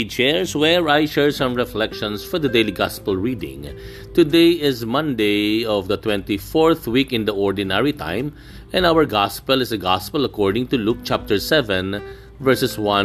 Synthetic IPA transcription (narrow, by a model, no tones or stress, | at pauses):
it͡ʃɛɹswɛɹaɪʃɛɹsʌ̃mɹɛflɛkʃɔ̃nsfɔɹd̪əd̪eliɡɑspəlɹiːdɪ̰̃ŋ | t̪ud̪eɪɪzmʌ̃nd̪eɪɔvd̪ət̪wɛ̃nt̪ifɔɹθwikɪ̃nd̪əɔɹdinɛɹit̪ʰã̰ɪ̃m | ɛ̃nawəɹɡɑspəlɪsəɡɑspəlɐkɔɹɖɪ̃ŋt̪uluk̚t͡ʃæp̚t̪əɹsɛvɛ̃n | vɛɹsɛswʌ̃